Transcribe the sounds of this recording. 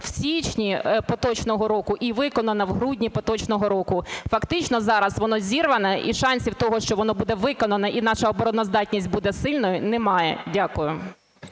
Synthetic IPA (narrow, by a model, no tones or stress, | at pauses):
w̥sʲit͡ʃnʲipɔt̪ɔt͡ʃnɔɦɔɾɔkʊʔiʋɪkɔnɐnɐwɦɾudʲnʲipɔt̪ɔt͡ʃnɔɦɔɾɔkʊfɐkt̪ɪt͡ʃnɔzɑɾɐsʋɔnɔzʲirʋɐnɐʔiʃɑnʲsʲiwt̪ɔɦɔʃt͡ʃɔʋɔnɔbud̪ɛʋɪkɔnɐnɐʔin̪ɑʃɐɔbɔɾɔnɔzd̪ɑtʲnʲisʲt̚ʲbud̪ɛsɪlʲnɔjʊnɛmɑjɛdʲakʊjʊ